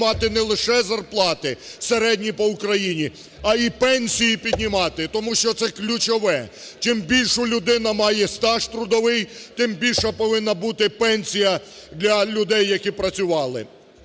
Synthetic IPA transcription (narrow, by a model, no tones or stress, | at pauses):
mɑt̪ɪnɛlˠɪʃɛzɐrplˠɑt̪ɪseɾɛd̪ʲnʲipɔʊkɾɐjinʲi | ɐipɛnʲsʲijipʲid̪ʲnʲimɑt̪ɪt̪ɔmuʃt͡ʃɔt̪sɛklʲʊt͡ʃɔʋɛ | t͡ʃɪmbʲilʲʃʊlʲʊd̪ɪnɐmɑjɛst̪ɑʃt̪ɾʊd̪ɔʋɪjt̪ɪmbʲilʲʃɐpɔʋɪnːɐbut̪ɪpɛnʲsʲijɐd̪lʲɐlʲʊd̪ɛjːɐkipɾɐt͡sʲʊʋɑlˠɪ̰